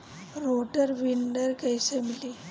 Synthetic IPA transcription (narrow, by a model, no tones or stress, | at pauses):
ɾoːʈɐɾʋiɳɖɐɾkɐjsemili